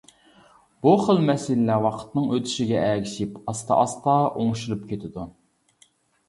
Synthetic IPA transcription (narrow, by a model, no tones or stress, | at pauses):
b̥uχəlˠmɛsɪllɛwɑqʰə̥t̪nɨŋøt̪ʰy̥ʃiɡʲɛʔɛkʲʰiʃipɑst̪ʰɑ̰ʔɑst̪ɑʔoŋʃulˠup̚kʲʰet̪ʰɪd̪u